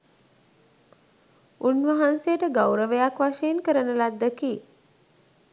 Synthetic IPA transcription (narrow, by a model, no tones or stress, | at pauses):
unʋəɦansejəʈəɡawɾəʋəjakʋaʃejnkəɾənəlad̪ːəkiː